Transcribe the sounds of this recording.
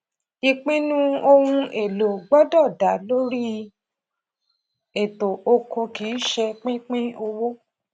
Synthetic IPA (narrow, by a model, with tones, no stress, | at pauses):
i˧k͡pĩ˦nũ˦o˧hũ˧ʔe˨lo˨ɡ͡bɔ˦dɔ˦˨da˨˦lo˦ɾi˦ | e˨to˨o˧kʰɔ̃˧ki˨˦ʃɛ˧k͡pĩ˦k͡pĩ˦o˧wo˦